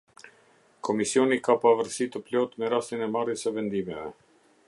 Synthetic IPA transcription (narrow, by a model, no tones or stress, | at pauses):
kʰɔmisiɔnikapavəɾsit̪əplɔt̪mɛɾast̪inɛmarjəsəvɛnd̪imɛvɛ